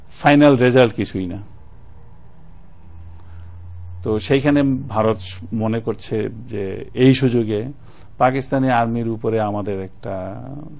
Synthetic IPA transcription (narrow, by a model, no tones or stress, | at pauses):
fajnalɾed͡ʑalʈkit͡ɕʰujna̰ | t̪oʃejkʰanebʱaɾot̪monekoɾt͡ɕʰed͡ʑeejʃud͡ʑoɡe | pakist̪aniaɾmiɾupoɾeamad̪eɾɛk̚ʈa